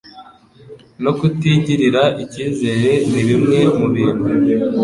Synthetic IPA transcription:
no̞kutiːɲɟiɾiɾaʔiciːze̞ɾe̞niɾimŋe̞muβiːn̥hu

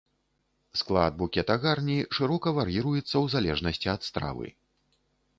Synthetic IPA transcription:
sklˠad̪̚bukʲɛt̪ɐɣarnʲiʂɨɾɔkɐvaɾjiɾujɛt̪sːɐwzalʲɛʐnɐsʲt͡sʲiɐt̪st̪ɾa̰vɨ̰

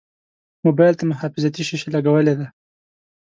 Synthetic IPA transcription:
mobɑjlt̪amʊɦɑfɪzat̪iʃiʃelaɡawəled̪a

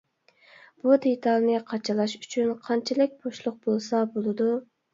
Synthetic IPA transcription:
b̥ud̪et̪ʰɑlˠnɨqʰɑt͡ʃʰɨlˠɑʃy̥t͡ʃʰynqʰɑnt͡ʃʰɪlɪk̚ʲboʃlˠʊq̚bolˠsɑbolˠɨd̪u

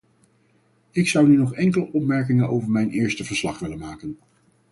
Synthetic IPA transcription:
ɪksʌwnynɔχɛŋkələʔɔpmɛɹk̬ɪŋənowvəɹmɛjnʔɪːɹstəvəɹslɑχʋɪlənmaːkən

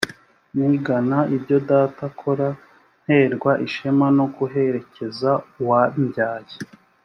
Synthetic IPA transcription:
niɡanaibɟo̞daːtakʰo̞ɾa | n̥he̞ːɾɡwaʔiʃemano̞ɡuɦe̞ɾe̞ce̞zawaɲɟaːje

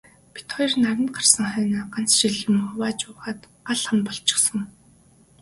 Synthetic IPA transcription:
pi̥t̪χɔj̆rnaɾɪ̆nt̪̚ɢarsə̆ŋχœːnaːɢan̥t͡sʃiɮɘ̆ŋʊwaːt͡ɕʊːʁaːt̪ | aɮχə̆mpɔɮt͡ɕɪ̥̆χsə̆ŋ

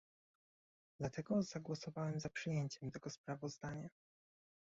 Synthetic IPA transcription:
d̪̥lat̪ɛɡɔz̥aɡwɔsɔvawɛmzapʂɘjeɲt͡ɕɛmt̪ɛɡɔspɾavɔzd̪aɲa

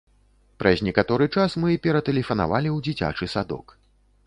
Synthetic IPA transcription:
pɾʔɐzʲnʲɛkat̪ɔɾɨt͡ʂasmɨpʲɛɾɐt̪ɛlʲɛfɐna̰valʲiwd͡zʲit͡sʲa̰t͡ʂɨsad̪ɔ̰k

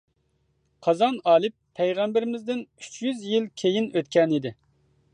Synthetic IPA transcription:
qʰɑzɑnɑːlˠɪpʰːɛjʁɑmbɪɾɪmɪzd̪ɪnyt͡ʃʰjyzjilkʲʰejinøt̪̚kʲɛnid̪ɪ

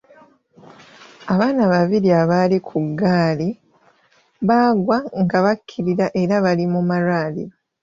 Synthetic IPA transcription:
aβaːnaβaβiɾiaβalikʰuɡːaːli | βaːɡwaŋɡaβakʰːiɾiɾaʔe̞ɾaβalimumaɾaːlḭɾo

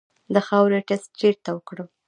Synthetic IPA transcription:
d̪əxawɾʈɪst̪̚t͡ʃeɾt̪awəkɽəl

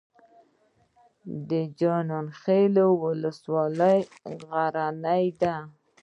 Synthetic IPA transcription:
d̪əd͡ʒɑnɑnxelowʊləswɑləjɣaɾanajd̪a

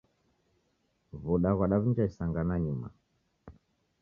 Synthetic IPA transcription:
vuɗaɣwaɗaβiɲd͡ʒaisaŋɡanaɲuma̰

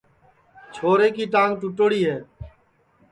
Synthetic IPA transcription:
t͡ʃʰoːɾeːkiːʈãːŋɡʈʊʈoɽiːɦeː

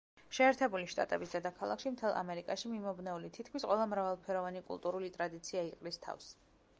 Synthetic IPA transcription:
ʃɛːɾt̪ʰɛbuliʃt̪ʼa̰t̪ʼɛ̰bisd̪ɛd̪akʰalˠa̰kʃimt̪ʰɛlˠʔa̰mɛɾikʼaʃimimɔbnɛulit̪ʰit̪̚ʰkʰmisqʼwɔlˠamɾavalˠpʰɛɾɔvanikʼṵlˠt̪ʼuɾulit̪ʼɾad̪it̪sʰiaiqʼlist̪ʰa̰fs

